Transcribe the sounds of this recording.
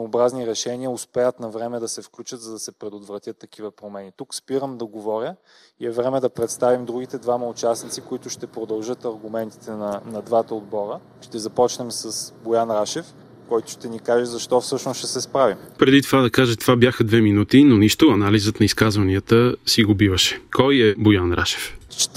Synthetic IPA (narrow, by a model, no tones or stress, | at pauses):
obɾazniɾɛʃɛniəʊspɛjət̪nɐvɾɛmɛd̪ɐsɛfklʲut͡ʃəd̪zɐd̪ɐsɛpɾɛd̪ot̪vɾɐt̪jət̪ːɐk̟ivəpɾomɛnit̪ukspiɾəmd̪ɐɡovɔɾʲjə | iɛvɾɛmɛd̪ɐpɾɛt̪st̪avimd̪ɾuɡit̪ɛd̪vamɐʊt͡ʃasnit̪sikʊit̪ʊʃt̪ɛpɾod̪ɐlˠʒɤt̪ɐɾɡʊmɛnt̪i̥t̪ɛnɐnɐd̪vat̪ɐod̪bɔɾə | ʃt̪ɛzɐpɔt͡ʃnɛmsɐsbojanɾaʃɛf | kɔjt̪ʊ̥ʃt̪ɛnikaʒɛzɐʃt̪ɔfsɤʃnosʃɛsɛspɾavimpɾɛd̪it̪ovad̪ɐkaʒət̪ovabjaxəd̪vɛminut̪inoniʃt̪ʊɐnalizət̪nɐiskazvɐniət̪əsiɡobivəʃɛ̥kɔjɛbojanɾʔa̰ʃɛ̥ft͡ʃ̪